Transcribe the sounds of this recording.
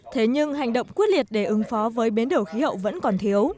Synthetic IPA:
t̪ʰe˨˦ɲɨ˧ŋɦa˨˩jŋ̟ɗə̰˧˨wŋ͡mkwt̚li˨˩ət̚ɗe˧˩ʔɨ˨˦ŋfɔ˨˦vəː˨˦jɓi˨˦nɗo˨˧˩xi˨˦hə̰˧˨wvə̰˧˥nkɔ˨˩nt̪ʰi˨˦əw

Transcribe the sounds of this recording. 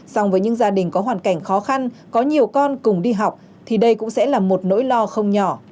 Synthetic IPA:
sa˧wŋ͡mvəː˨˦jɲɨ̰˧˥ŋzaː˧ɗï˨˩ŋ̟kɔ˨˦ɦwaː˨˩nka˧˩jŋ̟xɔ˨˦xa˧nkɔ˨˦ɲi˨˩əwkɔ˧nkʊ˨˩ŋ͡mɗi˧ɦa˨˩wk͡p̚ | t̪ʰi˨˩ɗə˧jkʊ̰˧˥ŋ͡msɛ̰˧˥laː˨˩mo˨˩t̚no̰˧˥jlɔ˧xə˧wŋ͡mɲɔ˧˩

